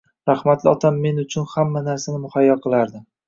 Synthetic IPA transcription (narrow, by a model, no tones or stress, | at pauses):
ɾahmat̪ʰlɪɒ̰t̪ʰamːe̞nʊt͡ʃʰʊnhamːanaɾsanɪmʊhajːɒqʰɨlˠaɾd̪ɪ